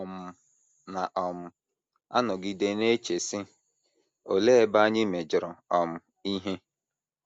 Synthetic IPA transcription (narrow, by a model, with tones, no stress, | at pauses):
ɔ˨m̩˦ | na˨ʔɔ˨m̩˦ | a˦nɔ˨ɡi˦de˦ne˦t͡ʃe˨sɪ˦ | o˨le˦e˦ba˦ɲɪ˦me˨d͡ʒɪ˨ɾɔ˨ɔ˨m̩˦ | i˦ɦe˦